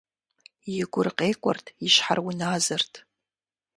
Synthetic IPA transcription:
jɪɡʷʊrqʼejkʷʼɔ̰rtʰiʃħa̰rwʊnaːzɐrtʰ

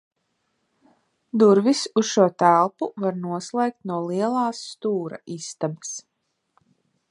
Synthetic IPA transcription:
d̪uɾvisusʃuɔt̪ælˠpuvaɾnuɔslˠeːk̚t̪̚nuɔlˠiɛlˠɑːsːt̪uːɾa̰ist̪abɛ̥s

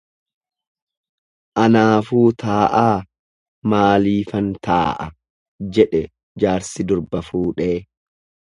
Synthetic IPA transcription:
ʔɐnaːfuːt̪aːʔaː | maːliːfɐnt̪a̰ːʔɐ | d͡ʒɛᶑɛ | d͡ʒaːɾsɪd̪ʊɾbɐfuːᶑeː

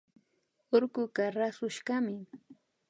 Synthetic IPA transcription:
oɾkʊkaɾasʊʃkamɪ

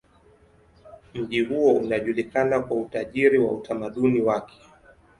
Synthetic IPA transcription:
m̩ʄihuɔunaʄulikanakwautaʄiɾiwautʰamaɗuniwakʰɛ̥

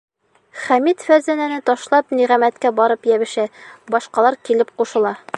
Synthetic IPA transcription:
χæmit̪fæzænænɘt̪ɒʃlˠɑpniʁæmæt̪kæbɒɾɤpjæβɘ̆ʃæbɒʃqɑlˠɑɾkilɘp̚quʃɤ̆lˠɑ

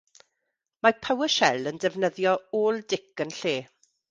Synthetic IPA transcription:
mapʰawəʃɛləndɛvnəðjɔoːlˠdɪkənɬeː

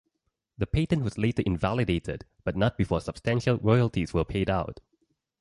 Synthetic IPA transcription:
ðəpʰetə̃nwɔzletəʔɪ̃nvalidetʰə̰d | b̥ʌt̚ⁿnɔt̚b̥ifɔːsəb̥stæ̃nʃəlɹɔjəlˠtʰizwəpʰeɪdaʊt̚

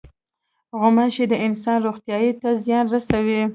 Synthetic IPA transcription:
ɣʊmaʃed̪əɪnsɑnɾoxt̪jɑjit̪azjɑnɾasawi

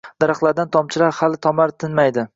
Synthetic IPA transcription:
d̪̥aɾɑχlˠaɾd̪ant̪ʰɒmt͡ʃʰɪlaɾhalɪt̪ʰɒmaɾt̪ʰɪnmajd̪ɪ

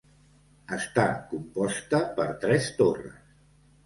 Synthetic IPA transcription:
əst̪akumpɔst̪əpəɾt̪ɾɛst̪orə̰s

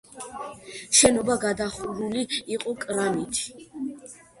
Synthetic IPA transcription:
ʃɛnɔbaɡad̪aχuɾuliːqʼɔkʼɾamit̪ʰi̥

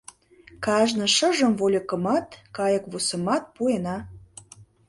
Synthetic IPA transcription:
kɑʒnɤ̆ʃə̆ʒə̆mvolʲə̆kə̆mɑt̪kɑjə̆kβusə̆mɑt̪̚puenɑ

